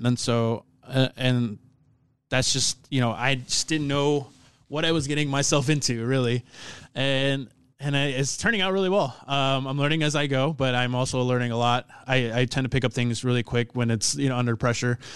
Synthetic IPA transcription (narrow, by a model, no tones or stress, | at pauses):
ɨ̃nsoʊ | ʌʔɨ̃n | ðætsd̥ʒ̥ʌst̚jɨñoʊʔa̰ɪd͡ʒʌsd̥ɪdⁿn̩nːoʊ | wʌɾaɪwʌzɡɛɾɪ̃ŋmaɪsɛlˠfɪ̃ntʰʉɹɪlˠiɨ̃n | ɨ̃naɪɪtstʰɜ̃˞nɪ̃ŋaʊt̚ɹɪlˠiwɛlˠʌ̃mãɪ̃mlɜ̃˞nɪ̃ŋɨzaɪɡoʊbʌɾãɪ̃mɔlˠsoʊlɜ̃˞nɪ̃ŋəlɔt̚aɪaɪtʰɛ̃ntʰɨpɪkʌp̚θɪ̃ŋzɹɪlˠikʰw̥ɪkwɨ̃nɨtsjɨnoʊʌ̃ndə˞pʰɹ̥ɛʃə˞